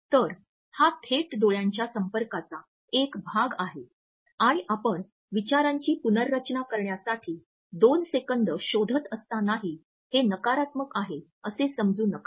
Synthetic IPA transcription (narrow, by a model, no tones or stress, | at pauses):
t̪əɾ | hat̪ʰeʈd̪oɭjãɲt͡ɕjasəmpəɾkat͡sa | ekbʱaɡaɦe | aɽ̃iʔapəɳ | ʋit͡ɕaɾãɲt͡ɕiːpunəɾːət͡ɕnakəɾɳjasaʈʰiː | d̪onsekənd̪əɕod̪ʱət̪əst̪anaɦiː | henəkaɾat̪məkaɦe | əsesəmd͡zuːnəka